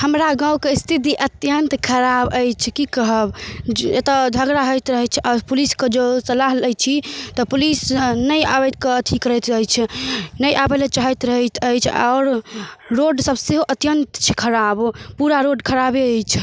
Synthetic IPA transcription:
həmɾaɡãw̃kest̪ʰit̪̬iʔət̪jənt̪kʰəɾabəjt͡ʃʰkikəɦəbet̪əd͡ʒ̪ʱəɡɾaɦəjt̪ɾəɦɛt͡ʃʰʔapulisked͡ʒəsəlaɦləjt͡ʃʰit̪ɔpulisnəja̰bɛt̪̚keət̪ʰikɾəjt̪ɦət͡ʃʰnəjʔabelet͡ʃaɦɛt̪ɾəɦɛt̪ʰəjt͡ʃʰa̰ːɾɾoɖsəbseɦoʔət̪jənt̪t͡ʃʰikʰəɾabpuɾaɾoɖkʰəɾabeːjt͡ʃʰ

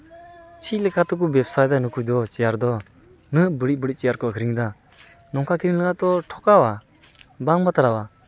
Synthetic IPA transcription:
t͡ʃʰilekat̪ɔk̬ubepsajd̪anukʰujd̪ɔt͡ʃijaɾd̪ɔ | nɯbɯɾibɯɽit̚t͡ʃijaɾkɔakʰiɾiŋd̪a | nɔŋkʰakʰiɾiŋləɡat̪ɔʈʰɔkawa | baŋbat̪aɾawa

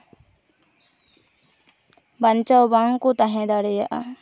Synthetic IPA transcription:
baɲt͡ʃawbaŋkut̪aɦɛ̃d̪aɽɛjaʔa̰

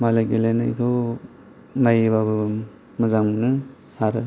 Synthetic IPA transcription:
malaɡelena̰jkʰo | najbabɯ | mɯzaŋnɯ | aɾ

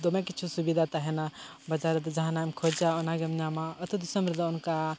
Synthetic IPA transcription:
d̪omẽkit͡ʃʰusubid̪ʱat̪ɐɦɛna | bɐd͡ʒaɾət̪d͡ʒɐɦãnamkʰod͡ʒaɔnaɡemnamaɐt̪ud̪isəmbɾd̪aunka

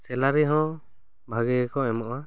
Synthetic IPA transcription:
sɛlaɾɛɦɔ̃ | bʱaɡɛkɔɛmɔʔa

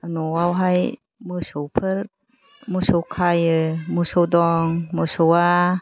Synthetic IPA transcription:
nɔwawɦaj | mɯsɯwpʰɯɾ | mɯsowkʰajɯmɯsowdɔŋmɯsowa

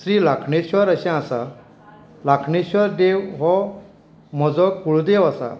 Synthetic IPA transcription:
sɾiːlakʰɳeɕɔɾəɕɛ̃asa | lakʰɳeɕʋɔɾd̪ewɦɔ | m̤ɔd͡zɔkuɭud̪ewasa̰

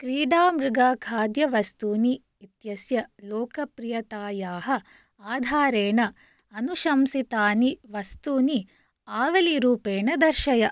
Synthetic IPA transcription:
kɾiːɖaːmɾuɡaːkʰaːd̪jɐʋɐst̪uːniː | t̪jɐsjɐlɔːkɐpɾijɐt̪aːjaːɦɐ | aːd̪ʱaːɾeːɳɐ | ɐnuʃɐmsit̪aːniʋɐst̪uːni | aːʋɐliɾuːpeːɳɐd̪ɐɾʃɐjɐ

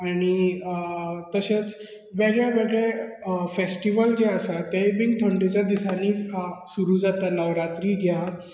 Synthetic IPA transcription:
aɽ̃i | t̪əɕet͡s | ʋeɡɭjaʋeɡɭefesʈiʋəld͡ʑeəsat̪ebiŋɡt̪ʰəɳʈit͡ɕjad̪isaniːsuɾuːd͡zat̪aləʋɾat̪ɾiːɡʱja

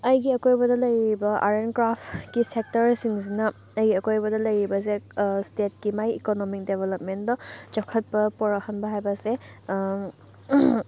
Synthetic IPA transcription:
ɐjɡiɐkojbɐdɐlɐjɾibɐʔa̰ɾenkɾapkisek̚tɐɾsiŋzinɐ | ɐjɡiɐkojbɐdɐlɐjɾibɐs̬estet̚kimajḭkonomik̚debʱelop̚mendɔt͡ʃɔkʰɐt̚pɐpoɾɐhɐnbɐɦajbɐse

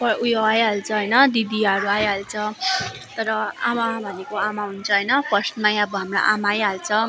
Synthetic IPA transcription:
pʌujoajɦalt͡sʰʌɦʌjnʌd̪id̪iʌɾuajɦalt͡sʰʌ | t̪ʌɾʌamabʱʌnekoamaɦunt͡sʰʌɦʌjnʌpʌsnmajãbamra̰ʔamajɦalt͡sʰʌ

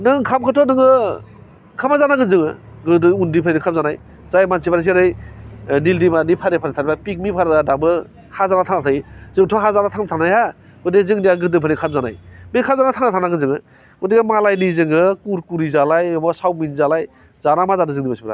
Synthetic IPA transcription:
nɯŋkʰamkʰɯtʰɔnɯŋɯ | kʰamazanaɡɯnzɯŋɯ̰ | ɡɯdɯundipʰaninikʰamzanaj | zajmansʰibaɾas̬iɾɯjnildimanipʰaɾepʰaɾitʰaɾbapik̚mipʰaɾɡadabɯ | hazanatʰanatʰajzɯŋtʰɔɦazanatʰaŋnatʰanaja | ɯdezɯŋdiaɡɯdɯpʰanikʰamzana̰jmikʰamzanajtʰaŋnatʰanaɡɯnzɯŋɯ | udiɡamalajnizɯŋɯkuɾkuɾizalajbɔsawminzalaj | zanamazadɯzɯŋdimasibɾa̰

